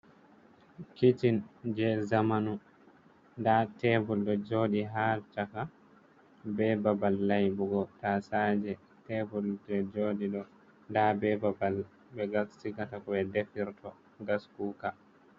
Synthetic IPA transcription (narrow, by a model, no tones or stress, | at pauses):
kitind͡ʒɛzamanu | ndatɛbulɗɔd͡ʒoːɗiɦalt͡ʃaka | bɛbabalːajbuɡɔtasaːd͡ʒɛ | tɛbuldɛd͡ʒoːɗiɗɔ | ndabɛbabal | bɛɡassiɡatakɔɓɛdefiɾtɔ | ɡaskuːka